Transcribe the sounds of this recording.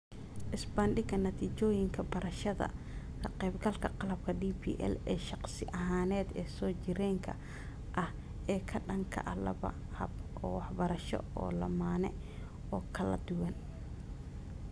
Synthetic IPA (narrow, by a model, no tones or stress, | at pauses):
ʔɪsbɐnɖɪɡɐnɐt̪ʰiːt͡ʃɔːjɪŋkʰɐbɐɾɐʃɐðɐ̰ | kʰɐqɛːbɡɐlkʰɐqɑlɐb̚kʰɐɖiːpʰḭːʔɛ̰lɛːʃɑqsɪʔɐɦaːnɛːd̪ɛːsɔːt͡ʃɪɾɛːŋkʰɐ̰ | ʔɐh | ɛːkʰɐɖɐŋkʰɐ̰ʔɐlɐ̰βɐ̰hɐ̰bʔɔːwɑħbɐɾɐʃɔ̰ɔ̰ːlɐ̰maːnɛ̰ | ɔːkʰɐlɐ̰d̪ʊwɐn